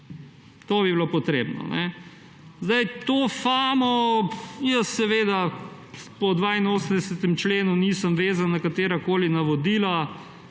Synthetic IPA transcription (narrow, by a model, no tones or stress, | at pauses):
t̪oːbiblopɔt̪ɾḛːbnɔ̰nɛ | zd̪ajt̪ofaːmɔ | jəsːɛʋeːd̪a | pɔd̪ʋaːinoːsənd̪ɛsɛt̪ɛmt͡ʃleːnuniːsəmʋeːzanːɐkat̪eːɾakoːlinɐʋɔd̪iːla